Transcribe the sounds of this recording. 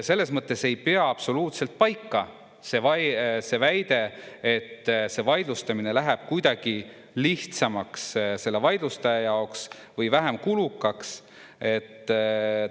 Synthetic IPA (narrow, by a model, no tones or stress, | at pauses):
se̞lːe̞smɤt̪ːˑe̞se̞jpe̞ɑɑpso̞luːt̪se̞lt̪̚pɑjkːɑ | se̞vɑse̞væjd̪̥e̞et̪ːse̞vɑjd̪̥lust̪ɑmine̞læɦeb̥̚kujd̪ɑɡ̥i | liht̪sɑmɑksse̞lːe̞vɑjd̪̥lust̪ɑjɑjɑoks | vɤjvæɦemkulukːˑɑks | e̞t̪ː